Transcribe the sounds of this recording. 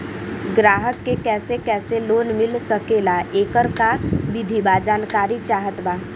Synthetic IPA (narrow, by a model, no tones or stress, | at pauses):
ɡɾaːɦəkːekɛːsekɛːseloːnmɪlsəkeːlaʔeːkəɾkaʋɪd̪ʱibaːd͡ʒaːnkaːɾit͡ʃaːɦət̪baː